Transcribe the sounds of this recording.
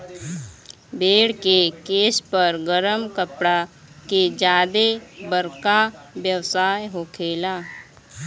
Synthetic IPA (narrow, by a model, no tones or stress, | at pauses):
beːɽkekeːspəɾɡəɾəmkəpɽa | ked͡ʒaːd̪ebəɾkawjəwsaːjɦoːkʰeːlaː